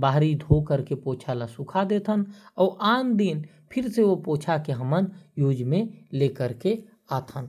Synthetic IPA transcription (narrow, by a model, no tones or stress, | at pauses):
baːɾid̪ʱokəɾkepoːt͡ʃʰalasʊkʰad̪eːt̪ʰənɔːɾʔaːnd̪iːn | pʰɪɾseopoːt͡ʃʰakeɦəmənjuːd͡ʒmẽleːkəɾke | aːt̪ʰən